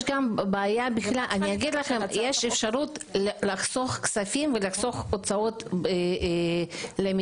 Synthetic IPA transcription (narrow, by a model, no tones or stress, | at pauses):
ʃɡambaːjabiχlalʔaniaɡid̪laχemjeʃefʃaɾut̪laχso̞χksafimvelaχso̞χot͡saot̪b | lemi